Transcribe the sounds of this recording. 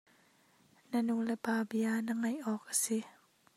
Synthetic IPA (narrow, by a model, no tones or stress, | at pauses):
nanulɛpaːbianaŋajʔɔːkːḁsi